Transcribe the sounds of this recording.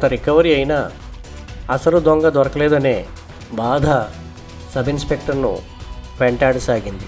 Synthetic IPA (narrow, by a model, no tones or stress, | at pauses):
t̪ɐɾikɐʋɐɾiɐjinaː | ɐsɐlud̪ɔŋɡɐd̪ʋɐɾɐkɐlɛːd̪ɐneː | baːd̪ʱa | sɐbʱinspe̞k̚ʈɐɾnṵ | ʋeɳʈaːɽɐsaːɡind̪i